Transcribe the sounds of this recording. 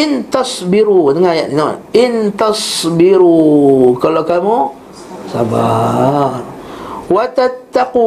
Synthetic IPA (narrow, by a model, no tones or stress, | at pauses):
ɪnt̪ɑsbiɾudəŋajaʔino̰ʔɪnt̪ɑsbiɾukalokamu | saba | rwat̪at̪ːaqu